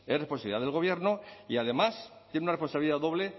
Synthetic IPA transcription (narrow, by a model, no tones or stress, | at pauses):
esrespo̞nsaβiliðaðelɣo̞β̞je̞ɾnoiaðe̞mast̪jenunɾrespo̞nsaβiliðaðo̞βle̞